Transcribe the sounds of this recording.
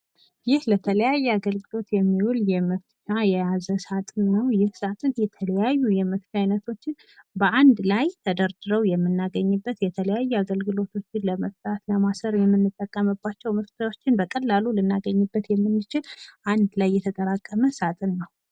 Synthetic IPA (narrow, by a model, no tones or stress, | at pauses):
jɪhlət̪ʰələjajːɛaɡəlɡɨlo̞t̪jɛmːihuljɛməft͡ʃajɛjazəsat̪ʼɨnːəwjɪhsat̪ʼɨnjɛt̪ʰələjajːujɛməft̪ajnət̪ʰo̞t͡ʃːɪn | bəʔand̪lajt̪ʰəd̪əɾd̪ɨɾəwjɛmːɨnːaɡəɲːɨbːət̪jɛt̪ʰələjajːɛaɡəlɡɨlo̞t̪ʰo̞t͡ʃːɪnləməft̪ʼat̪ləmasəɾjɛmːɨnːɨt̪ʼːəkʼːəməbːat͡ʃːɛwməft̪ʰawo̞t͡ʃːɪnbəkʼəlːalulɨnːaɡəɲːɨbːət̪jɛmːɨnːɨt͡ʃɪlʔand̪lajːɛt̪ʰət̪ʼəɾakʼːəməsat̪ʼɨnːəw